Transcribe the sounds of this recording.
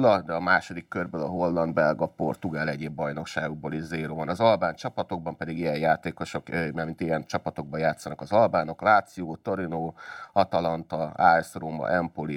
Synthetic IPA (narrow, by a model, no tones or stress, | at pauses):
lɒd̪ɛɒmaːʃo̞d̪ikːørbøːlɒɦo̞lːɒnd̪bɛlɡɒpo̞̰rt̪uɡaːlɛɟeːbːɒjno̞kʃaːɡoɡ̚boːliʃzeːɾoːvɒnɒzɒlbaːnt͡ʃɒpɒt̪o̞ɡ̚bɒmpɛd̪iɡijɛjjaːt̪eːko̞ʃo̞kmɛmint̪ijɛnt͡ʃɒpɒt̪o̞ɡ̚bɒjaːt̪sːɒnɒkɒzɒlbaːno̞klaːt̪sioːt̪o̞ɾinoːɒt̪ɒlɒnt̪ɒaːɛsroːmɒ̰ʔɛmpoli